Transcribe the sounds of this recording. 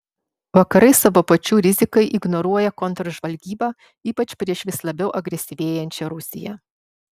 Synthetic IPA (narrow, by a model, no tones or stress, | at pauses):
ʋɐkɐɾɐɪsɑʋoːpɐt͡ʃʲuːɾʲɪzʲɪkɐɪʔɪɡnɔɾuɔjɛkɔnt̪ɾɔʒʋɐlʲɡʲiːbɑː | iːpɐt͡ʃʲpʲɾʲiɛʃʋʲɪslˠɐbʲɛʊʔɐɡɾʲɛsʲɪʋʲeːjɛnʲt͡ʃʲɛɾʊsʲɪ̰jɛ̰